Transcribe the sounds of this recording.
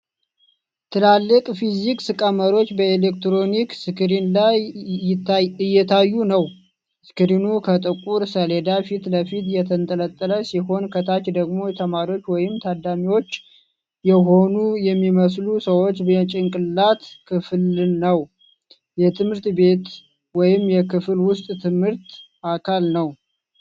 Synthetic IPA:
t̪ʰɨlalːɨkʼfiziksɨkʼəməɾot͡ʃːbəelekt̪ɾo̞niksɨkʰɨɾinlaj | ɨjːɛt̪ʰajːunəw | sɨ̥kɨɾinukʰət̪ʼɨkʼuɾsəled̪afit̪ləfit̪jɛt̪ʰənt̪ʼələt̪ʼːələsiho̞nkʰət̪ʰat͡ʃd̪əɡmo̞jɛt̪ʰəmaɾiwo̞t͡ʃːwɔjɪmt̪ʰad̪amiwo̞t͡ʃː | jɛɦo̞nujɛmːiməslusəwo̞t͡ʃːbt͡ʃʼɪŋkʼɨlːat̪kʰɨflnəw | jɛt̪ʰɨmhɨɾt̪be̞t̪ | wɔjɪmjɛkʰɨflwʊst̪ʼt̪ʰɨmhɨɾt̪ | ʔakʰalnəw

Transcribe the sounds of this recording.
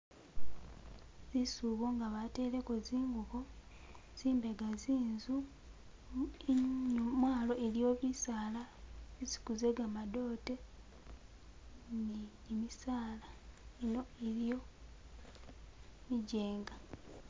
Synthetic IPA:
zisuːβoŋɡaβate̞ːle̞koziːŋɡuko̞ | z̥iːmbe̞ɡaziːnzu | eɲomwaːlo̞ʔelijo̞βisaːlaβisi̥kuze̞ɡamado̞ːte̞ | niː | misaːlaeno̞eɾijo̞ | miɟe̞ːŋɡa

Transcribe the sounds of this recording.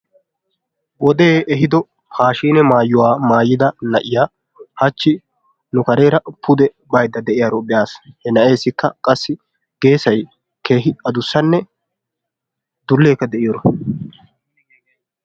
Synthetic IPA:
wɔd̪eːɛɦɪd̪ɔ | pʰaːʃiːnɛmaːjːʊwaːmaːjːɪd̪ɐnɐʔɪjaː | hɐt͡ʃːɪ | nʊkɐɾe̞ːɾɐpʰʊd̪ɛ | bɐjd̪ːɐd̪ɛʔɪjaːɾɔbɪjaːshɛnɐʔe̞ːsɪkːɐkʼɐsːɪ | ɡ̥e̞ːsɐj | ke̞ːɦɪɐd̪ʊsːɐnːɛ | d̪ʊlːeːkːɐd̪ɛʔɪjoɾɔ

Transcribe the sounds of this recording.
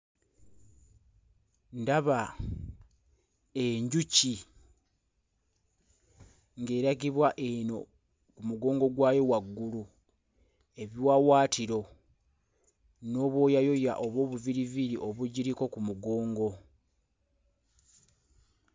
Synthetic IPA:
ndaβa | eɲɟuci | ŋɡe̞ːɾaɡiβwaʔe̞no̞ | kumuɡo̞ːŋɡo̞ɡwaːje̞waɡːulu | e̞βjwawaːtiɾo̞ | no̞ːβwo̞ːjajo̞ja̰ʔo̞βo̞ːβuviɾiviɾiʔo̞βuɟiɾiko̞kumuɡo̞ːŋɡo̞

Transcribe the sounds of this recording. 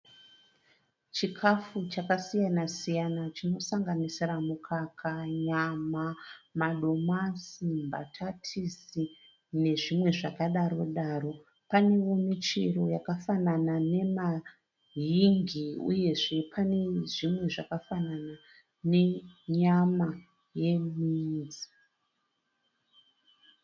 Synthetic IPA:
t͡ʃikʰafut͡ʃakasijanasijanat͡ʃino̞saŋɡanisiramukʰakʰaɲamamaɗo̞masimba̰tʰatʰisi | ne̞ʐimwe̞ʐakaɗaɾo̞ɗaːro̞ | pane̞ʋomit͡ʃiro̞jakafananane̞ma | ɦiŋɡiṵje̞ʐe̞pʰane̞ʐimwe̞ʐakafanana | ne̞ɲama | je̞miːd͡zi

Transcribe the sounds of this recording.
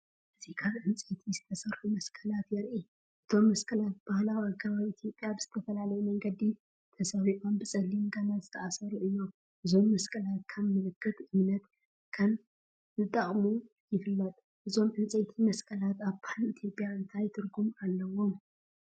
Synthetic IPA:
ʔɨzikʰaβʔɨnt͡sʼejt̪ʰizɨt̪ʰɐsɐɾħumɐskʰɐlat̪jɛɾʔi | ʔɨt̪ʰo̞mːɐskʰɐlat̪̚b̥ahlawiaɡʰɐβaβiit̪ʰjo̞pʼjabɨz̥ɨt̪ʰɐfɐlalɐjumɐŋɡɐd̪i | t̪ʰɐsɐβiʔʼonbɨsʼɐlːimɡɐnazɨt̪ʰɐʔasɐɾuʔɨjːom | ʔɨzo̞mːɐskʰɐlat̪̚kʰɐmːɨlɨkʰːɨt̪ʔɨmnɐt̪ | kʰɐm | zɨt̪ʼːɐχʼmu | jɪfɨlːɐt̪ʼ | ʔɨzo̞mʕɨnt͡sʼet̪ʰimɐskʰɐlat̪aβpʰalit̪ʰijo̞pʼjaɨnt̪ʰajt̪ʰɨɾɡumalːɐwo̞m

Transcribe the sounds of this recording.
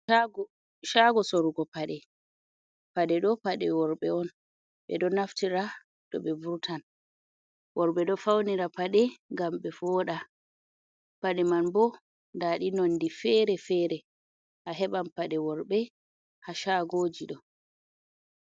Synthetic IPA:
ʃaɡɔsoɾuɡɔpaɗɛ | paɗɛɗɔpaɗɛwɔɾɓɛɔn | ɓɛ̰dɔnaftiɾa | dɔ̰ɓɛvuɾtʰan | wɔɾɓɛɗɔfawniɾapaɗɛŋɡamɓɛfɔɗa | paɗɛmanbɔ | ndaɗinɔndifɛɾɛfɛːɾɛ | haɦɛɓampaɗɛwɔɾɓɛ | haʃaɡoːd͡ʒiɗɔ

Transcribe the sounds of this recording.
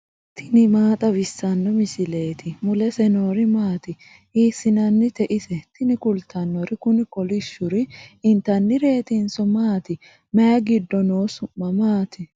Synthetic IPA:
t̪ʰɪnɪmaːt̪ʼɐbɪsːɐnːɔmɪsɪle̞ːt̪ʰɪmʊlɛsɛnoːɾɪmaːt̪ɪ | iːsːɪnɐnːɪt̪ɛʔɪsɛt̪ɪnɪkʊlt̪ʰːɐnːɔɾɪkʊnɪkɔlɪʃːʊɾɪɪnt̪ɐnːɪɾe̞ːt̪ɪnsɔmaːt̪ɪ | mɛjɐɡɪd̪ːɔnoːsʊmːɐmaːt̪ɪ

